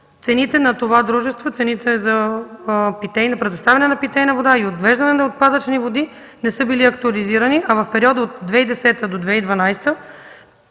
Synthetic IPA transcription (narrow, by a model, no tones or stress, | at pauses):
t̪sɛnit̪ɛnɐt̪ovad̪ɾuʒɛst̪vot̪sɛnit̪ʰɛzɐ | pit̪ɛjnɐpɾɛd̪ost̪avʲɐnɛnɐpit̪ɛjnɐvod̪aiot̪vɛʒd̪ɐnɛnɐot̪̚pad̪ət͡ʃnivod̪i | nɛsɤbiliɐkt̪uɐliziɾəniʔɐvɐfpɛɾiɔd̪əot̪̚d̪vɛid̪ɛsɛt̪əd̪od̪vɛid̪vɐnajst̪ə